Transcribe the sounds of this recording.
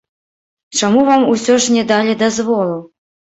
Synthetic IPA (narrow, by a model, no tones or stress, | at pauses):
t͡ʂamuvamusʲɔʂnʲɛd̪alʲɛd̪azvɔlˠu